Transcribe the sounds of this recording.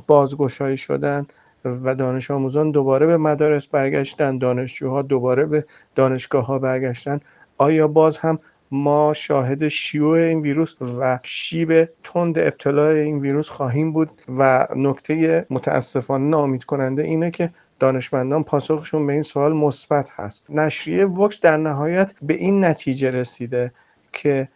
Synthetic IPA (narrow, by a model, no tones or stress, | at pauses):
b̥ɒːzɡo̞ʃɒːiːʃo̞̰d̪æn | væd̪ɒːne̞ʃɒːmuːzɒnd̪o̞bɒːɾe̞be̞mæd̪ɒːɾe̞sbæɾɡæʃt̪ænd̪d̪ɒːne̞ʃd͡ʒuːhɒːd̪obɒːɾe̞be | d̪̥ɒːne̞ʃɡ̥ɒːɦɒːbæɾɡæʃt̪æn | ʔɒːjɒːbɒːzhæmː | ɒːʃɒːɦe̞d̪e̞ʃijuːeiːnviːɾuːsvæʃiːbe̞t̪ʰond̪eeb̚t̪ʰe̞lɒːeiːnviːɾuːsxɒːɦiːmbuːd̪̚væno̞kʰt̪ʰe̞je̞mot̪ʰæ̰æ̰sːe̞fɒːnenɒːomiːd̪̥kʰo̞nænd̪eʔiːnekʰe̞ | d̪̥ɒːne̞ʃmænd̪ɒːnpʰɒːsoxeʃunbe̞iːnsoɒːlmosb̥æt̪ʰhæ̰st̪næʃɾḭevoksd̪æɾnæɦɒːjæt̪ʰbe̞ʔiːnːæt̪ʰiːd͡ʒe̞ɾe̞siːd̪e̞ | cʰe̞